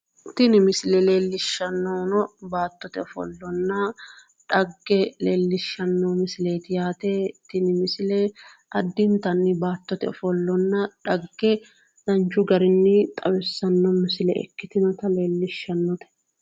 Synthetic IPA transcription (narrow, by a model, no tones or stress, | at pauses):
t̪ɪnɪmɪsɪlɛle̞ːlːɪʃːɐnːoːnɔbaːt̪ːɔt̪ɛɔfɔ̰lːɔnːɐ | ᶑɐɡːɛleːlːɪʃːɐnːoːmɪsɪleːt̪ɪjaːt̪ɛt̪ɪnɪmɪsɪlɛ | ʔɐd̪ːɪnt̪ɐnːɪbaːt̪ːɔt̪ɛɔfɔlːɔnːɐᶑɐɡːɛ | d̪̥ɐnt͡ʃʊɡɐɾɪnːɪt̪ʼɐwɪsːɐnːɔmɪsɪlɛʔɛ̰kːɪt̪ɪnɔt̪ɐle̞ːlːɪʃːɐnːɔt̪ɛ̥